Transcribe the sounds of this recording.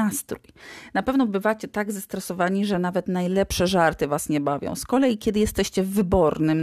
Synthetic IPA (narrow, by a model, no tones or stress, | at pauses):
ast̪ɾujnapɛvnɔbɘvat͡ɕɛt̪aɡzast̪ɾɛsɔvaɲiʐɛnavɛt̪najlɛpʂɛʐaɾt̪ɘvasɲɛbavʲjɔ̰̃w̃skɔlɛjikʲjɛd̪ɘjɛst̪ɛɕt͡ɕɛvːɘbɔɾnɘm